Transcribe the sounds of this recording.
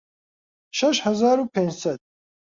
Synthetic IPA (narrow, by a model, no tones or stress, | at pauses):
ʃɐʃhazaːɾupʰɛ̃nd͡ʒsɐd̪̚